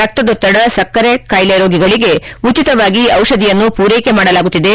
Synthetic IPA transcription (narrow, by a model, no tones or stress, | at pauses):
ɐk̚t̪ɐd̪ɔt̪ːɐɽɐsɐkːɐɾekaːjleɾoːɡiɡɐɭiɡe̞ut͡ʃit̪ɐʋaːɡiɐwʃɐd̪ijɐnːupuːɾejke̞maːɽɐlaːɡut̪ːid̪e̞